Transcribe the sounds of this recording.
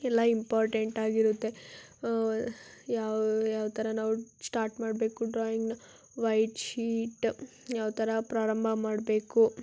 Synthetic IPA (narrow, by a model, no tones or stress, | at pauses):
ɛlːɐimpaːɾʈeɳʈaːɡiɾut̪ːe̞ | jaːjaːʋt̪ʰɐɾɐnaːʋusʈaːɾʈmaːɽbe̞ːkuɖɾaːjiŋɡ | ʋɐjʈʃiːʈ | jaːʋt̪ʰɐɾɐpɾaːɾɐmbʱɐmaːɽbe̞ːku